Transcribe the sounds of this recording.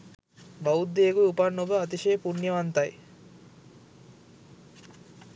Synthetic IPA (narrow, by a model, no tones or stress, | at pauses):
baud̪ːeːɡujupanːobəat̪̬iʃeːpunjɐʋant̪ɐj